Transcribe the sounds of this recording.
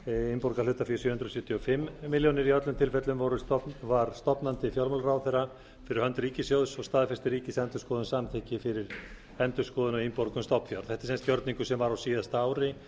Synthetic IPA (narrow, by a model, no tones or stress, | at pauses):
impɔɾkaɾlʏːt̪afjʏsjʏːhʏnd̪ɾɔsʏt̪ʰjiɔfɪmːɪljɔnɪɾiœt̪lʏmt̪ʰɪlfɛt̪lʏmvɔɾʏvaɾst̪ɔpnant̪ɪfjɔwlmɔlɾaːwθɛra | fɪɾɪɾhœnt̪ɾiːcɪsjowðsɔɣst̪aːðfɛst̪ɪɾiːcɪsɛnt̪ʏskɔːðʏnsamt̪ʰɛːhcɪfɪɾɪɾ | ɛnt̪ʏskɔːðʏnɔɣimpɔɾkʏmst̪ɔpnfjɔwɾθɛht̪ɪ̥sɛnst̪cjɔɾt̪niŋkʏsɛmvaɾawsiːðast̪aːwɾɪ